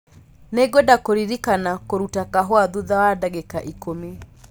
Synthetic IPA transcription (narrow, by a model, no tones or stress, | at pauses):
neɡodakoɾiɾikanakoɾutakaɦwaðuðawadaɣekaʔikomi